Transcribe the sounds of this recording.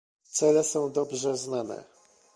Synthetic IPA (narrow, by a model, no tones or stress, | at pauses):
t̪sɛlɛsɔ̃w̃d̪ɔbʐɛznanɛ̰